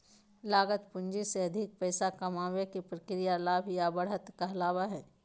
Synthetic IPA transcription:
laːɡət̪pʊ̃nd͡ʒiseɐd̪ʱɪk̚pɛːsakɐmaːwekipɾɐkɾijalaːbʱjabɐɽət̪kɐɦlaːʋaɦɛː

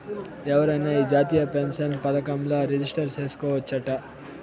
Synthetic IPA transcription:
ɛʋɐɾɐjneːiːd͡ʒaːt̪ijɐpensɐnpɐd̪ɐkɐmloːɾed͡ʒisʈɐɾt͡ʃe̞ːsu̥kɔːʋɐt͡ʃːɐʈɐ

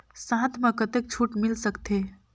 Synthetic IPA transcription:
sãt̪ʰmãkət̪ek̚t͡ʃʰuʈmilsəkt̪ʰe

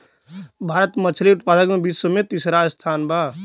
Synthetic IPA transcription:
bʱaːɾət̪mət͡ʃʰliʊt̪̚paːd̪əkmẽbiːssəmẽt̪isɾast̪ʰaːnbʱaː

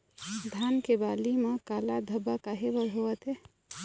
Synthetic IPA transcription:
d̪ʱankebalimẽkalad̪ʱəbakaɦebəɾɦoət̪e

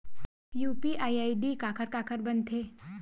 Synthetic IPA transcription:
juːpiʔaːiaːiɖikaːkʰəɾkaːkʰəɾbɐnt̪ʰeː

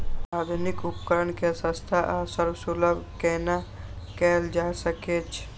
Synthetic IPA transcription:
ad̪ʱunikupkəɾənkesə̃st̪ʰaʔasəɾbsuləbʱkɛna | kɛːld͡ʒasəket͡ʃʰ

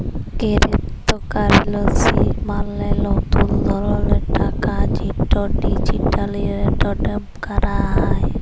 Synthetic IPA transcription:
ɡeɾet̪ːɔkaɾilosimalːelɔt̪uld̪ʱɔlɔleʈʰakad͡ʒiʈɔɖid͡ʒiʈaliɾeɖɔɖemkaɾaɦaj

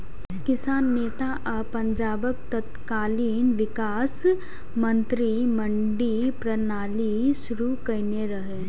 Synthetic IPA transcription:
kɪsaːnːeːt̪aʔəpɐ̃ɲd͡ʒaːbəkt̪ɐt̪kaːliːnʋɪkaːs | mə̃nt̪ɾimə̃ɳɖipɾɐnaːliʃʊɾukɐneɾɐɦe

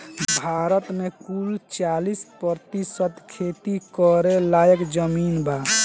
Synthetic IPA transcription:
bʱaɾət̪mekult͡ʃalispɾəɾt̪isət̪kʰet̪ikɔɾelajəkd͡ʒəminba

